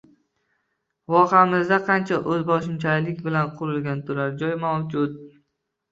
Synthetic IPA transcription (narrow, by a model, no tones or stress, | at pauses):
vɒqʰamɪzd̪aqʰɑnt͡ʃʰaʔɵzbɒʃɪmt͡ʃʰalɪkʲbɪlanqʰʊɾɪlɡʲant̪ʰʊɾaɾd͡ʒɒjmawd͡ʒʊt̪̚